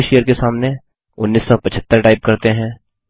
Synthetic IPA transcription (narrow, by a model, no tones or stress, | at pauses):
ʃejəɾkesaːmne | ʊnːiːsːɔpɐt͡ʃʰət̪ːəɾʈaːɪp̚kɐɾt̪eɦɛ̃ː